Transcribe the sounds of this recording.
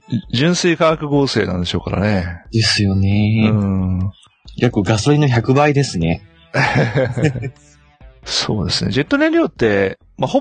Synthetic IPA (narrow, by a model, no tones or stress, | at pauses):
d͡ʑɨ̃ɰ̃sɨikaːkɯ̟ɡo̞ːse̞ːnãnd̪e̞ɕo̞ːka̰ɾa̰ne̞d̪̥e̞sɨjo̞neɯ̃ | ɡʲakːɯ̟ɡasoɾʲĩnoçakɯ̟baid̪e̞sɨne | so̞̰ːd̪e̞sɨne̞̰d͡ʑe̞t̪ːo̞nẽ̞ɾʲoːt̪ːe̞ | maho